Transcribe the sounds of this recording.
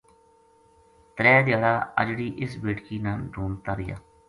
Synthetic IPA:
t̪ɾɛːd̪ɪjaːɽaːə̰d͡ʒɽiːʔɪsbeːʈkiːnanɖʱuːmt̪aːɾɪja̰ː

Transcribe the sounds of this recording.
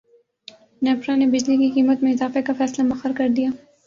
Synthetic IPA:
nɛpɾãnebɪd͡ʒlikiqiːmət̪mẽɪzɑːfekafɛːslamɐxəɾkɐɾd̪ija

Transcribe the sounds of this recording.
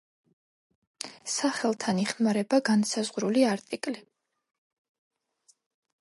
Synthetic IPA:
saχɛlˠt̪ʰaniχmaɾɛbaɡansazʁɾuliaɾt̪ʼikʼli

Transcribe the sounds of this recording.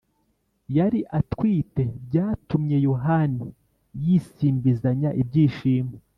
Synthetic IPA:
jaɾiʔatkwiːte̞b̚ɟaːtumɲe̞joɦani | jisiːmbizaɲaʔib̚ɟiːʃiːme

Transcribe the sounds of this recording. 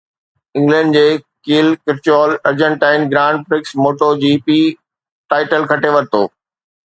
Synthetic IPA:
ɪ̃ŋɡlə̃ːɳɖd͡ʑeː | kiːlkɪɾt͡ɕɔːlɐɾd͡ʑə̃ɳʈaːɪnɡɾãːɳɖ̚fɾɪksmoːʈod͡ʑiːpiː | ʈaːɪʈəlkʰɐʈeʋɐɾt̪oː

